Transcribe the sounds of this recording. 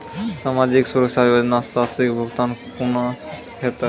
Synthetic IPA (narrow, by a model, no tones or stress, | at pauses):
samad͡ʒiksuɾəkʃabibəd͡ʒnasasikbʱəɡt̪anpuna | kʰet̪ə